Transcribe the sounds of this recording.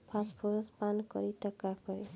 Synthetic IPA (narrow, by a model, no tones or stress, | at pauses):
pʰaspʰoɾɔspankɔ̰ɾit̪ɔkakɔɾi